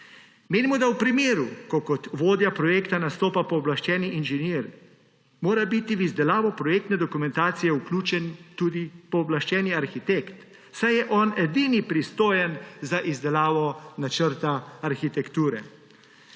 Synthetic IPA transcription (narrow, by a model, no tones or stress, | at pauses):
meːnimɔd̪awpɾimeːɾukɔkɔt̪ʋoːd̪japɾɔjeːkt̪anast̪oːpapɔːblaʃt͡ʃɛːniʔinʒɛniːɾ | moːɾabit̪iʋizd̪ɛlaːʋɔpɾɔjeːk̚t̪nɛd̪ɔkumɛ̃nt̪aːt̪sijɛukluːt͡ʃɛnt̪uːd̪ipɔːblaʃt͡ʃɛːniaɾxit̪ekt̪ | sajjɛʔɔːnɛd̪iːnipɾist̪oːjɛnzaʔizd̪ɛlaːʋɔnat͡ʃəɾt̪aːɾxit̪ɛkt̪uːɾɛ̰